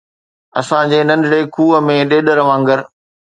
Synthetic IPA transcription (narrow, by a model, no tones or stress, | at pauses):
ɐsãd͡ʑeːnɐ̃nd̪ɽeːkʰuːə̆mẽɗeːɗəɾʋãːŋɡəɾ